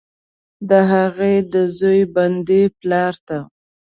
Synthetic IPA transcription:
d̪əɦaɣed̪əzojband̪eplɑɾt̪a

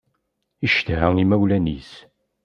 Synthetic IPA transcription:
iʃt̪ɦæŋimæwlænḭs

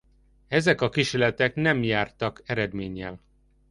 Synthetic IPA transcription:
ɛzɛkɒkiʃelɛt̪ɛknɛmjaːrt̪ɒkɛɾɛd̪meːɲːɛ̰l

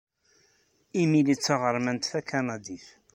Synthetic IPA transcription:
imilit͡sːaʁəɾˤmænt̪θækɑnɑd̪iθ

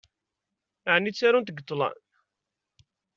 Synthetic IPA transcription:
aʕnːit͡sːæɾunt̪əɡət̪ˤːlˤɑ̰n

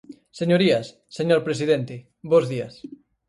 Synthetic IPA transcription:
seɲoɾiasːeɲoɾpɾesiðent̪ɪ | bozðiɐs

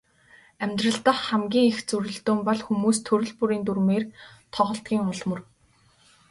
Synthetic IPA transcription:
æmʲt̪rə̆ɬt̪ə̆χæmɡʲiːŋixt͡suɾʲɵ̆ɬt̪oːmpɔɮxumuːst̪ʰɵɾʲɵ̆ɮpuɾiːnt̪urmeːrt̪ʰɔʁɞ̆ɬt̪̚ɡʲiːŋʊɮmɵ̆r

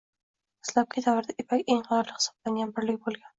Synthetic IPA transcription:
ɪ̥slˠɒqʰijd̪avɪɾd̪aʔepʰakʲeŋʁɑɒɾlˠɪhɪ̥sɒ̥blaŋɡʲanbɪɾlɪkʲbolˠɡʲan

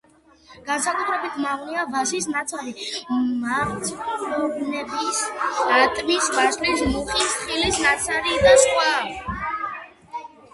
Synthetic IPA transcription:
ɡ̥ansakʼut̪ʰɾɛbit̪ʰmaʁniavasisnat̪sʰaɾima | ɔbnɛbisat̪ʼmisvaslis̬muχʼisχilisnat̪sʰaɾid̪asχʼwa

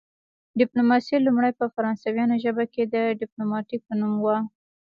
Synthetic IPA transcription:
ɖɪplomɑsilumɽajpəfaɾɑnsawjɑnoʒəbaked̪əɖɪplomɑʈik̚pənumwa

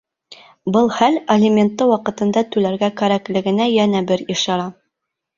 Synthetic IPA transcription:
bɤlˠχælelʲɪmʲent̪ːɤwɑqɤ̆t̪ɤ̆nd̪ɑt̪ʉlæɾɡækæɾæklɘ̆ɡɘ̆næjænæbɘɾiʃɑɾɑ

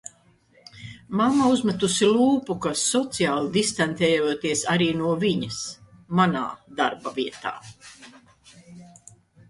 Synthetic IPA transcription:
mamauzmat̪usilˠuːpukasɔt̪sijaːlˠd̪ist̪ant̪ɛːjuːt̪iɛsaɾiːnuɔviɲasmana̰ːd̪aɾbavʲiɛt̪a̰ː

